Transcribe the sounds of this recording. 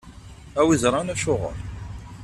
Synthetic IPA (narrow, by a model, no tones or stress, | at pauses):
æwizɾˤɑnæʃʊʁə̰ɾ